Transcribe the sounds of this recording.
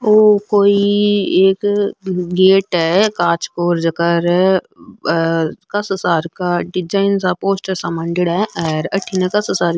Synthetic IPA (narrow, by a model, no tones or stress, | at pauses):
oːkoːieːk | ɡeːʈɦɛkaːt͡ʃkoːɾd͡ʒɐkəɾ | kɐsəsaːɾkaɖɪd͡ʒaːɪnsapoːsʈɛsamɐ̃ɳɖɪɽɦɛʔɛɾɐʈʰːinekɐsəsaːɾ